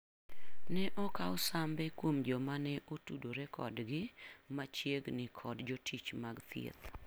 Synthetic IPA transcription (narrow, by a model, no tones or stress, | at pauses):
nɛʔɔkaosambɛkwomd͡ʒɔmanɛʔotudoɾɛkʰɔ̰dɡɪmat͡ʃjeɡnɪkʰɔdd͡ʒotʰit͡ʃmaɡt̪jḛt̪